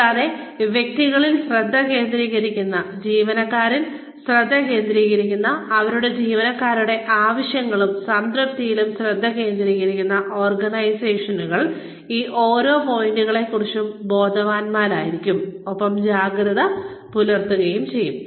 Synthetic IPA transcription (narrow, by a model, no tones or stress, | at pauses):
aːðeʋjek̚t̪iɣɐɭilsrɐd̪ʱːɐke̞ːnd̪ɾiːɣɐɾikʲːunːɐd͡ʑiːʋɐnɐkːaːɾin | srɐd̪ʱːɐke̞ːnd̪ɾiːɣɐɾikʲːunːɐːʋɐɾuɽe̞d͡ʑiːʋɐnɐkːaːɾuɽe̞ʔaːʋɐɕjɐŋːɐɭumsɐnd̪ɾɐp̚t̪ijilumsrɐd̪ʱːɐke̞ːnd̪ɾiːɣɐɾikʲːunːɐʔo̞ːrɡɐnɐjseːʂɐnuɣɐɭ | iːʔo̞ːɾo̞ːpo̞jiɳɖuɣɐɭe̞kːurit͡ɕːumbo̞ːd̪ʱɐʋaːnmaːɾaːjiɾikʲːumopːɐmd͡ʑaːɡɾɐðɐ | pulɐrt̪uɣɐjumt͡ɕe̞jːum